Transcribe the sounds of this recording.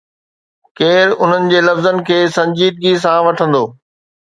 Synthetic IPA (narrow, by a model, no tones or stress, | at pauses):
keːɾʊn̤ənɪ̆d͡ʑeːlɐfzənɪ̆kʰeːsɐ̃ɲd͡ʑiːd̪̚ɡis̬ãʋɐʈʰə̃nd̪oː